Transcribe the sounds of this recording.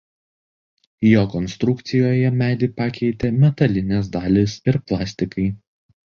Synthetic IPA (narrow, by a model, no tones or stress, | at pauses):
joːkɔnst̪ɾʊkt̪sʲɪjoːjɛmʲæːd̪ʲiːpɑkʲɛɪt̪ʲemʲɛt̪ɐlʲɪnʲeːs̬d̪ɑːlʲɪsɪɾplˠɑːsʲt̪ʲɪkɐɪ